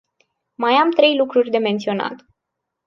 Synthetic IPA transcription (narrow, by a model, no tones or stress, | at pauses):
majamt̪ɾe̞jlukɾurʲd̪e̞me̞nt̪sio̞na̰t̪